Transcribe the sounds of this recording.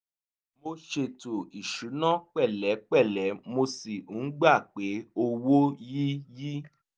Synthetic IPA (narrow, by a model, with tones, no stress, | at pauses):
mo˧ʃe˧to˨i˨ʃu˨˦nã˦k͡pɛ˦˨lɛ˨˦k͡pɛ˦˨lɛ˨˦mo˧si˨u˨˦ɡ͡ba˦˨k͡pe˨˦o˧wo˦ji˦ji˦